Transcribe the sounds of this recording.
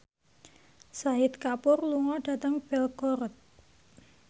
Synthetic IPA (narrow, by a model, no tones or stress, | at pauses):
saɪt̪̚kapʊrluŋɔɖ̥a̤t̪əŋb̥ɛlkɔɾət̪̚